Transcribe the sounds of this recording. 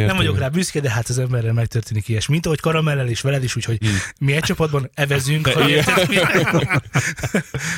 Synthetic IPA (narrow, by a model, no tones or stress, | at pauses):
nɛmɱvɒɟo̞kraːbyːskɛd̪ɛɦaːt̪ɒzɛmbɛrːɛlmɛk̚t̪ørt̪eːnikiɛʃmint̪ɒɦockɒɾɒmɛlːɛleːʃʋɛlɛd̪iʃuːcho̞ɟmiɛc̚t͡ʃɒpɒd̪bɒnɛvɛzyŋket̪ɛm